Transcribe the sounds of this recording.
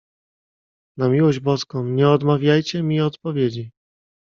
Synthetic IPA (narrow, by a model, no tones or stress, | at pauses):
namʲiwɔʑd͡ʑbɔskɔ̃mɲɛɔd̪mavʲjajt͡ɕɛmʲiɔt̪pɔvʲjed͡ʑi